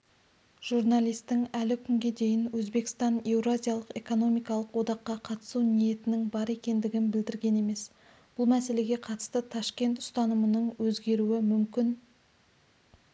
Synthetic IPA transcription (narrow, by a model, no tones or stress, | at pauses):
ʒ̥urnalʲijst̪ːɪŋælɪkʲʰʏŋɡʲe̞d̪e̞jɪnwɵzbe̞kst̪ɑne̞wɾoazʲijalˠəqe̞ko̞no̞mijkɑlˠəqwo̞d̪ɑqːɑqʰɑt̪ə̥sunije̞t̪ɪnɪŋbɑɾe̞kʲe̞nd̪ɪɡʲɪnbɪld̪ɪɾɡʲe̞ne̞me̞s | b̥ʊlˠmæse̞le̞ɡʲe̞qʰɑt̪ə̥st̪ət̪ʰɑʃkʲe̞nt̪ʊ̥st̪ɑnəmənəɴwɵzɡʲe̞ɾuɪmʏmkʲɪn